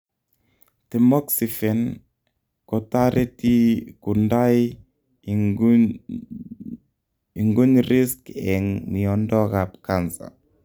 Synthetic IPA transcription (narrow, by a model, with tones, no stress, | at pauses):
tɛ˨mɔ˦ksi˨fɛ˨n | kɔ˨taɾʔe˦ti˦ku˨nda˦j | i˨ŋɡu˦ɲɾi˦skɛŋmi˨ɔ˨ndɔ˦ka˨p̚kansa̰˨